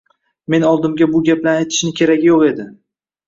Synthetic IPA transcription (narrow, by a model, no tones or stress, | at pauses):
me̞nɒlˠd̪ɪmɡʲabʊɡʲaplanajt̪ʰɪ̥ʃnɪkʲʰe̞ɾakʲjoqe̞d̪ɪ